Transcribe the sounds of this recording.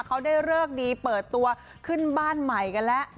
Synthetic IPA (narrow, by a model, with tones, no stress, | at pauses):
kʰa˦˥wdaː˥˩jɾɯː˥˩ək̚diː˧pɤː˨˩t̪ːu˧ɐ | kʰɯ˥˩nbaː˥˩nma˨˩jka˧nlɛ˦˥ʔ